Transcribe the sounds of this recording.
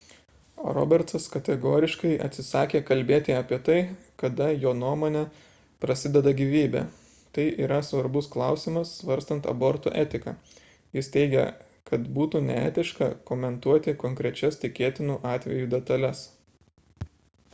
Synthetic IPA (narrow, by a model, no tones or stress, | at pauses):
ɾɔ̰ːbʲɛɾt̪sɐskɐt̪ʲɛɡoːɾʲɪʃkɐɪʔɐ̰t̪ʲsʲɪsɑːkʲeːkɐlʲbʲeːt̪ʲɪɐːpʲiɛt̪ɐɪ | kɐd̪ɐjoːnuɔmoːnʲɛ | pɾɐsʲɪd̪ʲɛd̪ɐɡʲiʋʲiːbʲɛ̰ | t̪ɐɪʔiːɾɐsʋɐɾbʊsklˠɑˑʊsʲɪmɐsːʋɐɾʲst̪ɐnt̪ɐ̰bɔɾt̪ṵːʔɛːt̪ʲɪkɐ̰ː | jɪst̪ʲɛɪɡʲɛ̰ | kɐt̪buːt̪uːnʲɛ̰æ̰ːt̪ʲɪʃkɐ̰kɔmʲɛnt̪uɔt̪ʲɪkɔŋʲkɾʲɛt͡ʃʲɛst̪ʲɪkʲeːt̪ʲɪnuːʔɑːt̪ʲʋʲɛ̰juːd̪ʲɛt̪ɐlʲɛs